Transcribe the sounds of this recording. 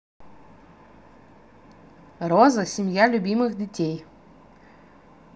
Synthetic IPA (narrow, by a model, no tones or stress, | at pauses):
rozəsʲɪmʲjalʲʊbʲimɨxdʲɪtʲej